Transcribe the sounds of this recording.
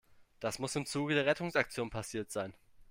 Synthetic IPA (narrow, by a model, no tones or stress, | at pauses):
d̥asmʊsɪmt͡suːɡədeːɐʁɛtʊŋsak̚t͡sjoːnpʰasiːɐtz̥aɪn